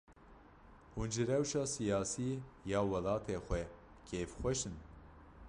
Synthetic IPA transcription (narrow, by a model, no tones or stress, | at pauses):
huːnd͡ʒɨɾɛwʃɑːsijɑːsiːjɑːwɛlɑːt̪ʰeːxʷɛ | kʰeːfxʷɛʃɨn